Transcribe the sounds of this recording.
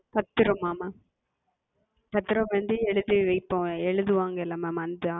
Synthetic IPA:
t̪ɐt̪ːɯɾɐ̃mːaːmaː | t̪ɐt̪ːɯɾɐ̃mʋɐnd̪ɯɛɻɯðɯʋɐɪpːõːɛɻɯðɯʋaːŋɡɐɪlːɐmaːmand̪ɯ

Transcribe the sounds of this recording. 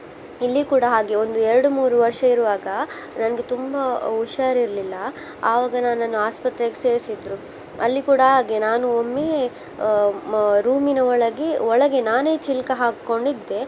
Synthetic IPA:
ilːikuːɽɐɦaːɡeond̪uɛɾɐɽumuːɾuʋɐɾʂɐiɾuʋaːɡɐ | nɐnɐɡet̪umbɐuʃaːɾiɾɐlilːɐ | aːʋaːɡɐnaːnanuaːspɐt̪ɾekese̞ːɾsid̪ɾu | ɐ̰lːikuːɽɐɦaːɡenaːnuomːeː | ɾuːminɐɔɭɐɡeɔɭɐɡe̞naːne̞ːt͡ʃilkɐɦaːkːo̞ɳɖid̪ːe̞

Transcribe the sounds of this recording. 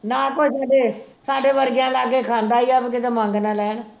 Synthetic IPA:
naːkoːisaːɖeː | saːɖeːʋəɾɡjãːlaːɡeːkʰãːnd̪aːiːəbk̬ɪt̪eːmãːŋɡnãːlɛːn

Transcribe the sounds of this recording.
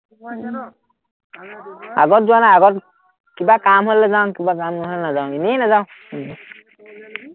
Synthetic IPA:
a̰ɡɔtzuanaaɡɔt | kibakamɦolːɛzawkibakamnɔɦlɛnazaʊ̃ininazaʊ̃

